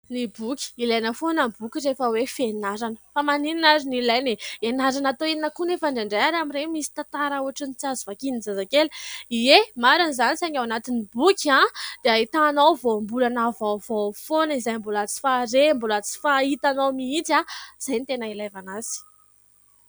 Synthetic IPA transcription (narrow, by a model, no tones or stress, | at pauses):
nibukʲi̥ilajnəfonəbukʲiɾefəwefenaɾanə̥famanininazinilajneenaɾanat̪oininəkunefaɳɖ͡ʐaɳɖ͡ʐajaɾamiɾemisi̥t̪at̪aɾauaʈ͡ʂənit͡sazuvakininzazakeliemaɾanizanisaɲawanat̪inibukʲãd̪̥eait̪anawvombulanavawvafonəizajmbulat͡si̥faɾembulat͡si̥fait̪anawmiitaz̥ajnit̪enailajvanazi̥